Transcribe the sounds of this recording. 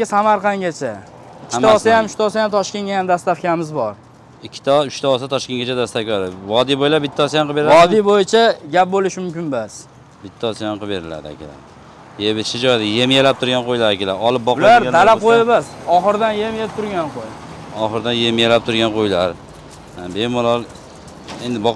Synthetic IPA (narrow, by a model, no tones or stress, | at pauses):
asamaɾqʰɑŋɡʲat͡ʃʰa | ɪkʰʲːt̪aːsajamʊʃt̪ʰaɒsajamt̪ʰɒʃkʲe̞nɡʲajamd̪ast̪aχkʲamɪzbɒɾ | ɪkʲʰːɪ̥t̪ʰaʊʃt̪ʰaɒsat̪ʰɒʃkʲe̞nɡʲat͡ʃʰad̪ast̪akʲaɪvɒd̪ibojlaɾbɪt̪ʰːaːsajamqɨbeɾɒd̪ibojɪt͡ʃʰaɡʲap̚bolɪʃmʊmkʲɪnbas | bɪt̪ʰːaːsajamqʰɨbe̞ɾɪla̰d̪ɪa̰kʲʰɪla̰ɾ | jebɪʃɪd͡ʒɒjd̪ɪjemjelap̚t̪ʰʊɾɡʲanqʰojlaɾakʲʰɪlaɾɒlˠɪp̚bɒqblaɾalaqʰojebasɒχɨɾd̪anjemjeɪp̚t̪ʰʊɾɡʲanqʰoj | ɒχɨɾd̪anje̞mjelap̚t̪ʰʊɾɡʲanqʰojlaɾ | bemʊlɒlˠ | end̪ɪbɒq